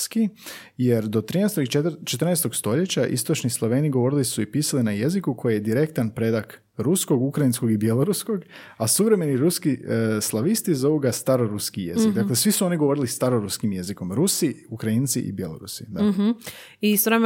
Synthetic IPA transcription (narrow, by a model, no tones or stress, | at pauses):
ski | je̞ɾd̪o̞t̪ɾiːnɛst̪oɡit͡ʃet̪ɾrnɛst̪o̞ɡ̥st̪o̞ʎe̞t͡ɕaʔḭst̪o̞t͡ʃnislˠo̞ʋe̞ːniɡo̞ʋo̞ɾilisuipiːsalinaje̞zikukʰo̞jijed̪iɾe̞kt̪anpɾe̞d̪ak | ɾusko̞ɡukɾajinsko̞ɡibjelˠo̞ɾusko̞ɡ | asuʋɾe̞me̞niɾuskislˠaʋist̪izo̞uɡast̪aɾo̞ɾuskije̞zik̚d̪aklesʋisuo̞niɡo̞ʋo̞ɾilist̪aɾoɾuskimje̞ziko̞mɾusiukɾaint̪sḭʔḭbjelo̞ɾṵsid̪a | isɾem